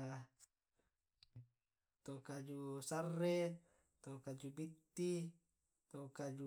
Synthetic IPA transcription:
t̪okad͡ʒusarːe | t̪okad͡ʒubit̪ːi | t̪okad͡ʒu

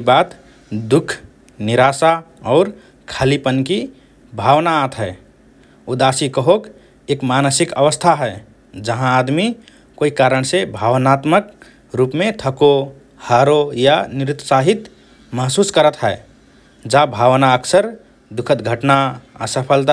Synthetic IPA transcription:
bat̪ | d̪ukʰ | niɾasa | ɔʊɾ | kʰalipənki | bʱawnaːt̪ɦɛe | ud̪asikəɦok | ekmanəsikəʋəst̪ʰaɦɛ | d͡ʒəɦãːd̪mi | koikaɾəɳ̃sebʱaʋənat̪mək | ɾupmet̪ʰəko | haɾojanɪɾɪt̪ːəsaɦit̪ | məɦsuskəɾət̪ɦɛe | d͡ʒabʱawnaəkʰsəɾ | d̪ukʰət̪ɡʱəʈnaə̰səpʰəlt̪a

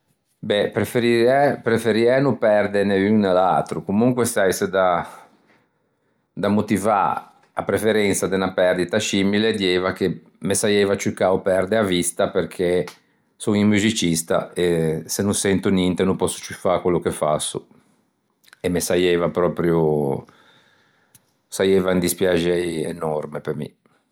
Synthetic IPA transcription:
bɛpɾefeɾiɛpɾefeɾiɛnupɛrd̪eneyŋnala̰lt̪ɾukumuŋkwest̪ajsed̪a | d̪amot̪iva̰ | a̰pɾefeɾɛnt̪sad̪enapɛrd̪it̪asiːmiled̪iɛvake | mesajɛvat͡ʃukaopɛrd̪eavist̪aperkʰe | soŋiŋmuzit͡ʃist̪a̰esenunsɛnt̪unint̪enumpɔsːu̥t͡ʃufakwelːokefa̰sːṵ | ɛmesajɛvapɾɔːpɾju | sajɛːvaind̪ispjad͡ʒɛjḛnɔrmepemḭ

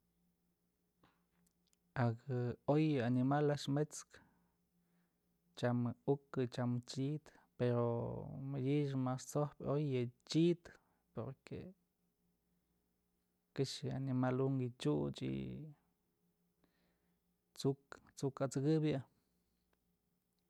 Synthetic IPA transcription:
akojanimalaʃmet͡sk | t͡ʃamukɨt͡ʃamt͡ʃit̪ | peɾo̰majiʃmast͡sohpojət͡ʃit̪ | poɾkḛ | kiʃanimaluŋɡit͡ʃuʔt͡ʃḭ | t͡sukt͡sukat͡sɨkɨbʔ

